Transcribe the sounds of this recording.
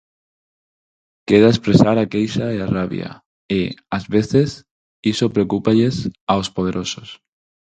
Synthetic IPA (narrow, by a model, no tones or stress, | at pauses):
keðaespɾesaɾakejsaearaβj̰a̰ | eazβeθes | isopɾeokupaʎesaospoð̞eɾʔosos